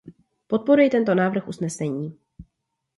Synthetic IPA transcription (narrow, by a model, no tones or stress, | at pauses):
po̞t̪̚po̞ɾujɛt̪ɛnt̪o̞naːvr̩xʔusnɛsɛɲiː